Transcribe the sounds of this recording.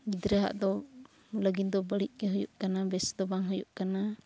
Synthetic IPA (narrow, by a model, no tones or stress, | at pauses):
ɡid̪ɾəɦa̰ʔd̪ɔ | ləɡind̪ɔbəliʔ̪̚ˀkɛɦujuʔkanabɛsd̪ɔbaŋɦujuʔkana